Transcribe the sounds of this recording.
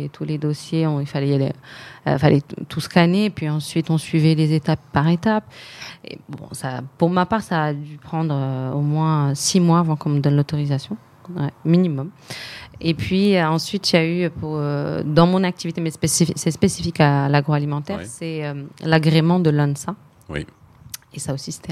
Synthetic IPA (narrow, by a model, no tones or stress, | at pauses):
t̪ʰuled̪osjeɔ̃ilfalɛ̰ | falʔɛt̪ʰusə̥kaneːpɥiɑ̃sɥit̪ɔ̃sɥivɛlezet̪apːaʁet̪apḛbɔ̰̃sa̰puʁmapaʁsaːd̪ypχɑ̃d̪ʁøomwɛ̃simwaːvɑ̃kɔ̃məd̪ɔnlot̪ɔʁizasjɔ̃ | wɛminimɔm | epɥiøɑ̃sɥit̪ljayøpuʁød̪ɑ̃mɔ̃nak̚t̪ivit̪emɛspesisɛspesifikalaɡʁoalimɑ̃t̪ɛʁsɛømlaɡʁemɑ̃d̪əlɔnsa | esaosise̥t̪ɛ